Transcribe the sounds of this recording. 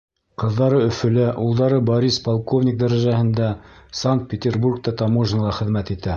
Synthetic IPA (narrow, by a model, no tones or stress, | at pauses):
qɤ̆ðːɑɾɤɵ̆fɵ̆læʔulˠd̪ɑɾɤboɾispɑlˠkovnʲɪk̚d̪æɾæʒæhɘ̆nd̪æsaŋk̚t̪̚pʲet̪ʲerburk̚t̪ɑt̪ɑmoʐnɑlˠɑχɘ̆ðmæt̪it̪æ